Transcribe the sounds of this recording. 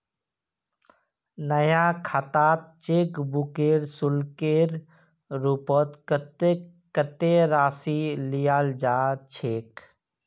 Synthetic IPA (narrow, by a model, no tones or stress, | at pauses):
nəjakʰat̪aːt̪̚t͡ʃeːkbukeːɾsʊlkeːɾ | ɾupɔt̪kte | kət̪eɾaːsilijaːld͡ʒaːt͡ʃʰeːk